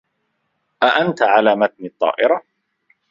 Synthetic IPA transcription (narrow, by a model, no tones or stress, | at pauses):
ʔaʔant̪aʕalaːmat̪̚nit̪ˤːɑ̰ːʔɪɾa